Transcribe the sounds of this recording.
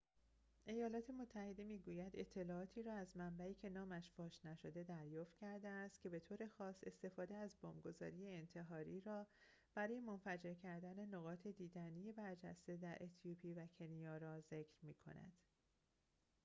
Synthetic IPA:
ʔe̞jɒːlɒːt̪ʰe̞mo̞t̪ʰːæhe̞d̪e̞miːɡuːjæd̪e̞t̪ʰːe̞lɒːɒːt̪ʰiːɾɒːæzmæmbæiːcʰe̞nɒːmæʃfɒːʃnæʃo̞d̪e̞d̪æɾjɒːft̪cʰæɾd̪eæst̪̚cʰʲe̞be̞t̪ʰoːɾe̞xɒːse̞st̪e̞fɒːd̪eæzbɒːmɡo̞zɒːɾiːjeːnt̪ʰe̞ɦɒːɾiːɾɒː | b̥æɾɒːje̞mo̞nfæd͡ʒe̞ɾcʰæɾd̪æne̞noɣɒːt̪ʰe̞d̪iːd̪ænije̞bæɾd͡ʒæ̰st̪e̞d̪æɾʔet̪ʰjupʰiːvæcʰenijɒːɾɒːze̞cʰɾmiːkʰo̞̰næ̰d̪̥

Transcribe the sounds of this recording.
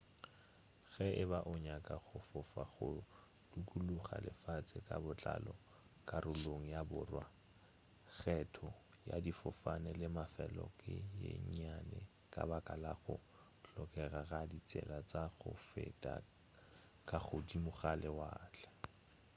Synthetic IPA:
ɣɛɪbaʔʊɲakʼaɣʊfʊfaχʊ | d̥ukʼuluχalɪfat͡sʼɪkʼabʊt͡ɬʼalɔ | kʼarʊloŋ̩jabʊrwa | ɣɛtʰɔ | ja̰difʊfanɛlɪmafɛlɔkʼɪjḛɲɲanɛ | kʼabakʼalaɣʊ | ɬɔkʼɛraɣadit͡sʼɛ̰lat͡sʼaɣʊfɛtʼa̰ | kʼaχʊdimʊɣalɪwaːt͡ɬɛ̥

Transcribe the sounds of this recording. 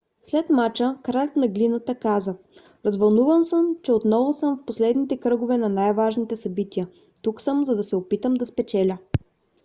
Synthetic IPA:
slɛt̪mat͡ʃəkɾat̪nɐɡlinət̪əkazə | ɾɐzvɐlˠnuvəmsəmt͡ʃɛot̪nɔvʊsəmfposlɛd̪nit̪ɛkɾɤɡʊvɛnɐnajvaʒnit̪ɛsɐbit̪iə | t̪uksɤmzɐd̪ɐsɛopit̪əmd̪ɐspɛt͡ʃɛlʲə

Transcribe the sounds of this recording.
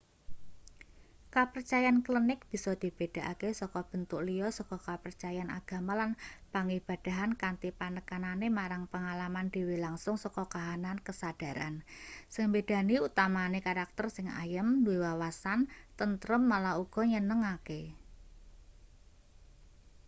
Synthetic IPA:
kapərt͡ʃajanklinɪk̚b̥i̤sɔd̪̥i̤b̥e̤d̥a̤ʔakesɔkɔb̥ə̤nt̪ʊʔlijɔsɔkɔkapərt͡ʃajana̰ɡ̥a̤malanpaŋib̥a̤d̥a̤ɦankant̪ipanəkananemaɾaŋpəŋalamand̪̥i̤wilaŋsʊŋsɔkɔkaɦanankəsad̥a̤ɾa̰nsəŋbed̥a̤niut̪amanekaɾak̚t̪ərsɪŋa̰jəmnuiwawasant̪ənt̪ɾəmːalauɡ̥ɔ̤ɲənəŋake

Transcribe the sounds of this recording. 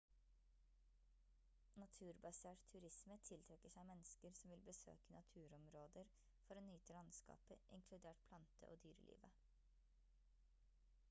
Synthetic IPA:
nɑt̪ʰʉːɾbɑseːʈt̪ʰʉɾɪsmət̪ʰɪlt̪ʰɾɛkəʂæɪmɛnəskəɾsɔmʋɪlbəsø̰ːkənɑt̪ʰʉːɾɔmɾoːd̪əɾ | fɔɾoːnyːt̪əlɑnskɑ̰ːpəʔɪ̰ŋkʰlʉd̪eːʈ̚pʰlɑnt̪ʰə̰ʔo̰ːd̪yːɾə̰lʔḭːʋə

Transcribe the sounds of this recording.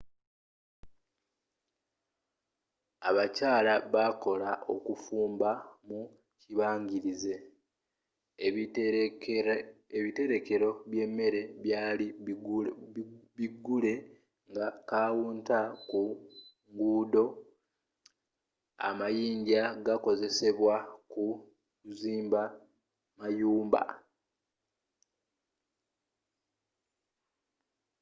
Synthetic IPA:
a̰βacaːlaβako̞laʔo̞kufuːmbamu | ciβaːɲɟiɾize̞ | eβite̞ɾe̞ke̞ɾo̞βje̞mːe̞ɾe̞βjaːli | βiɡule̞ | ŋɡakaːwuːntaku | ŋɡuːdo̞ | a̰majiːɲɟaɡako̞ze̞se̞βwaku | ziːmba | majuːmba̰

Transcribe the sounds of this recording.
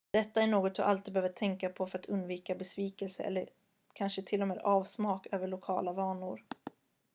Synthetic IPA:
d̪̥ɛt̪ːaæɳoːɡɔt̪̚d̪ʊ̰ʔa̰lt̪iːd̪bhøːvəʈʰɛŋkapʰɔfœɾat̪ʰɵnd̪viːkabɛsviːkɛlsə̰ʔɛ̰lːəɾ | kʰanʂət̪ʰɪlːɔmeːd̪ɑːvsmɑːkøːvəɭʊkʰɑ̰ːlavɑːɳʊɾ

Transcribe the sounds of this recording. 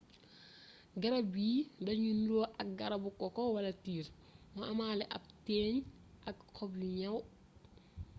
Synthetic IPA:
ɡɐɾɐbiːdɐɲunlɔːʔɐk̚ɡɐɾɐbukɔkɔwɐlɐtiːɾ | mɐɐmaːlɛʔɐp̚tɛːɲ | ʔɐkkʰɔbliɲɐw

